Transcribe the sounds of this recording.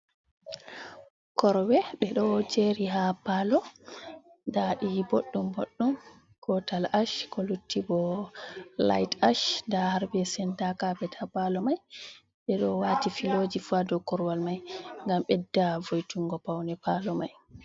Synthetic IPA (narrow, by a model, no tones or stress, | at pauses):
kɔɾwɛɓɛɗɔd͡ʒeɾiɦapalɔ | daɗiboɗːumboɗːum | kɔtalaʃkɔlutːibɔ | la̰jtaʃdahaɾbɛsɛntakabɛtʰapalɔmaj | ɓɛɗɔwatifilod͡ʒifadɔkɔɾwalmajŋɡamɓɛdːavojtuŋɡɔpawnɛpalɔmaj